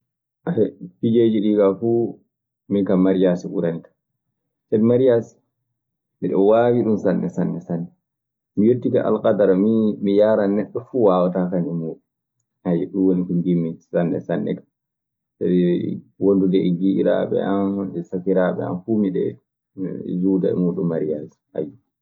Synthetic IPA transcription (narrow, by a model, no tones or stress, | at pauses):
aɛfid͡ʒeːd͡ʒiɗikafu | minkamaɾjasiʔṵɾanitḁ | sɛnmaɾjasi̥ | miɗɔwawiɗumsanːɛsanːɛsanːɛ | mijotːika̰ʔa̰lkadaɾmimijaɾanɛɗːɔfuwawatakanɛmuːɗu | hajɛɗunwonikɔnɡimːisanːɛ̰sanːɛ̰kḁ | sadiwondundɛɛɡiʔḭɾa̰ɓɛ̰amsakiɾaɓɛ̰a̰mfumiɗɛ̰ | d͡ʒuːda̰ɛ̰muɗummaɾijasi̥a̰ju